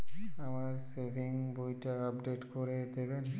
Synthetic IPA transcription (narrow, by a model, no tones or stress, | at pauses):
amaɾsebʱiŋbojʈaapɖeʈkoɾed̪eben